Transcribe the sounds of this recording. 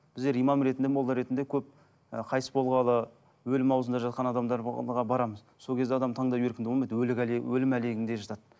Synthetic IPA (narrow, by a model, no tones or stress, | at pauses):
b̥ɪzd̪e̞ɾijmɑmɾe̞t̪ɪnd̪emolˠd̪əɾe̞t̪ɪnd̪e̞kʲʰɵp̚ | əqʰɑjsəbʰo̞lˠʁɑlˠə | wɵlɪmɑwzənd̪ɑʒɑt̪̚qɑnɑd̪ɑmd̪ɑɾʁɑbɑɾɑməzsokʰʲe̞zd̪eɑd̪ɑmt̪ʰɑɴd̪ɑjeɾkʲɪnd̪ɪbolˠmɑjd̪wɵlɪkwɵlɪmæle̞ɡʲɪnd̪e̞ʒɑt̪ɑd̪̥